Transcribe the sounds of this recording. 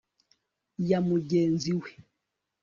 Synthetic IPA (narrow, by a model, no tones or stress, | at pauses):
jamuɟɛnziwɛ